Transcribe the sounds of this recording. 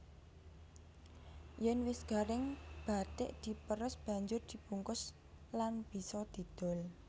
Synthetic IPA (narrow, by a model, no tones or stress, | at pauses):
jɛnwɪsɡ̥a̤ɾɪŋb̥at̪ɪ̰ʔd̪̥i̤pəɾʊsb̥a̤ɲd͡ʒʊrd̪̥i̤puŋkʊs | lanb̥i̤sɔd̪̥i̤d̪̥ɔ̤l